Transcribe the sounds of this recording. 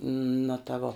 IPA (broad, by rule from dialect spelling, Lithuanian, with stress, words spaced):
nʊ tɐ ˈʋoː